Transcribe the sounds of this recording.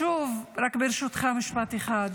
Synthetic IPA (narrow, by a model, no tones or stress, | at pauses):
ʃuvɾakbeɾʃut̪χamiʃpat̪eχad̪